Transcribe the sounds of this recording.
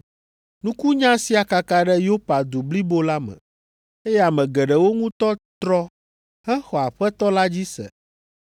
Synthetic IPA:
nũ˦ku˦ɲã˦si˦a˨ka˨ka˦ɖɛ˦jo˦pa˨d̪u˨bli˦bo˦la˦mɛ̰̃˨ | e˦jɛ˦a˨mɛ̃˨ɡɛ˨ɖɛ˨wo˦ŋũ˦t̪ɔ˦t̪ɾɔ˦ | hɛ˦xɔ˨a˨ɸɛ˦t̪ɔ˦la˦d͡ʑi˦sɛ̰˨

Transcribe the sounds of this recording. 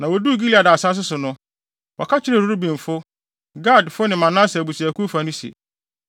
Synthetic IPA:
nã˨wɔ˨du˦˨ɡi˦li˦˨a˨dsa˦s̬ʊ˦sʊ˨nʊ̃˦ | wɔ˨kʰa˦t͡ɕʰɪ˦ɾɛ˦˨ɾu˦ɾu˦bĩ˨m˨fʊ˦ | ɡa˦˨dfʊ˦nɪ̃˨mã˨nã˦sɛ˨bu˨si˨æ˨kʰu˦fa˦nʊ̃˦si˨ḛ˨

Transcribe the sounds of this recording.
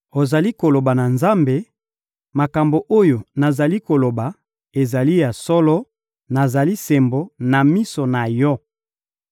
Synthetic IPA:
o˨za˨li˦ko˨lo˨ba˨na˨nza˦mbe˨ | ma˨ka˨mbo˨ʔo˦jo˨na˨za˨li˦ko˨lo˨ba˨ | e˨za˨li˦ja˨sɔ˦lɔ˦ | na˨za˨li˦se˨mbo˨na˨mi˦so˨na˨jɔ˦

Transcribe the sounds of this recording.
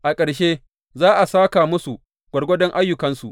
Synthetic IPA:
ʔa˨kʼɐ˨ɽʃeː˦ | zaː˦ʔa˨saː˦kaː˨mʊ˦su˨ | ɡʷɐ˨ɽɡʷɔ˦dɔ˦ŋʔa˦jːʊ˨kɐ˦nsu˨ʔ

